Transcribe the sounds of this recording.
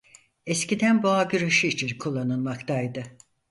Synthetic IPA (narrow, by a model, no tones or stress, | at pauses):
ɛscid̪ænbuaɟyɾeʃiit͡ʃʰinkʰulˠːanɯlˠmakt̪ajd̪ɯ